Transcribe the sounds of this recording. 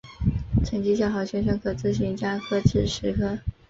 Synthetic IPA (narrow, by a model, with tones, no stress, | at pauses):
ʈ͡ʂʰə˨˩ŋt͡ɕi˧˥ɕ̬jɑ˨˩ʊxɑ˧˥ʊɕɥɛ˧˥nʂɤ˧˥ŋkʰɤ˧˨˩t͡sɹ̩˥˩ɕi˧˥nt͡ɕja˥xʰɤ˧˥ʈ͡ʂ̩ʰ˨˩ʂɻ̩˧˥kʰɤ˥